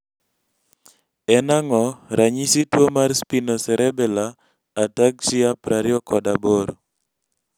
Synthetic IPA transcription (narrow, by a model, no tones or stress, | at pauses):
ɛnaŋɔɾʔaɲisitwomarspinosɛɾɛbɛlaː | takʃiapɾaɾɪɔkɔdaboɾo